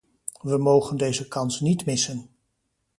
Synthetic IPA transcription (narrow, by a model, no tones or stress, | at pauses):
ʋəmowχəndejzəkɑnsnitmɪsən